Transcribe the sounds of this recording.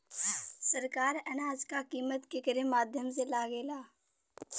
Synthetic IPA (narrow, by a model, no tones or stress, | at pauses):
səɾkaːɾɛnaːd͡ʒkakiːmət̪kekəɾẽmaːd̪ʱjəms̬elaːɡeːlaː